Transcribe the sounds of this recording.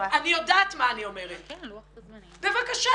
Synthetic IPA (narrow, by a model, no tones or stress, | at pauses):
anijo̞daːt̪maːnio̞me̞ʁet | be̞vakaʃa